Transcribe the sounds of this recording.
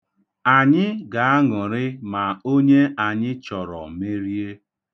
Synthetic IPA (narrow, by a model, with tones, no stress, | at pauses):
a˨ɲɪ˦ɡa˨a˦ŋʊ˨ɾɪ˦ma˨o˦ɲe˦ʔa˨ɲɪ˦t͡ʃɔ˨ɾɔ̰˨me˦ɾi˦e˦